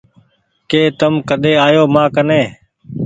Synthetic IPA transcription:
keːt̪əmkəɗ̪eːaːjoːmãːkəneː

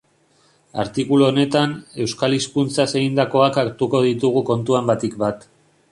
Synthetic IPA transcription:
a̰ɾt̪ikuluone̞t̪ane̞wskaliskunt͡sase̞ɣind̪ako̞akakt̪uko̞ð̞it̪uɣ̞uko̞nt̪uambat̪ikbat̪

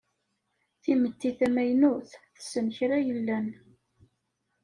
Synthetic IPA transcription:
θimət̪ːiθæmæjnuθθə̥sənçɾæjəlːæn

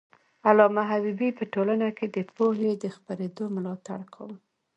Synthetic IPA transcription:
alɑmaɦabibipəʈolanaked̪əpoɦed̪əxpaɾed̪omlɑt̪a̰ɽkʰa̰wm

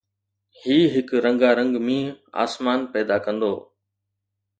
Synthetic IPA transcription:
hiːɦɪkɾə̃ŋɡaːɾə̃ŋɡmĩːa̰ːsmaːnpɛːd̪aːkə̃nd̪oː

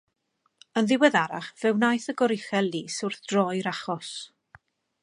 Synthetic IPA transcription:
ənðɪwɛðaɾa̰χvɛwnajθəɡɔɾɪχɛlˠːiːsʊrθd̥rɔjɾaχɔs

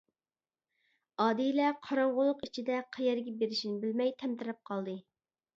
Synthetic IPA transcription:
ɑːd̪ijlɛqʰɑɾɑɴʁʊlˠːʊqit͡ʃʰid̪ɛqʰæjɛɾɡʲɛbeɾɪʃinɪbɪlmɛjt̪ʰɛmt̪ɨɾɛp̚qʰɑlˠd̪ɨ

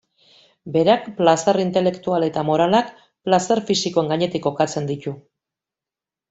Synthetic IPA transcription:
be̞ɾakplasarint̪e̞le̞kt̪uale̞t̪amo̞ɾalak | plasarfisiko̞eŋɡaɲe̞t̪ikːo̞kat͡se̞nd̪ic̪u

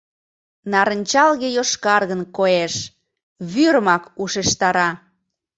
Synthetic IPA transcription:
nɑɾənʲt͡ɕɑlɣejoʃkɑrɣənkoeʃ | βyɾmɑkuʃeʃt̪ɑɾɑ

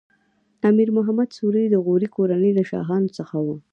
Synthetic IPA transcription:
t̪ɑmiɾmʊɦamad̪suɾijd̪əɣoɾikoɾanəjləʃɑ̰ɦɑnosəxawu

